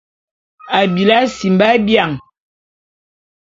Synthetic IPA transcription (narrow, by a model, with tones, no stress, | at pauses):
a˨bi˨la˦si˨m˨ba˦bja˨ŋ